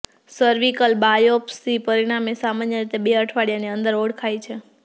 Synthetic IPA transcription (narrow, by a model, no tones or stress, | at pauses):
səɾʋikəlbajɔpsipəɾiɽ̃amesamanjəɾit̪ebeəʈʰʋaɽijaneənd̪əɾoɽkʰait͡ʃʰe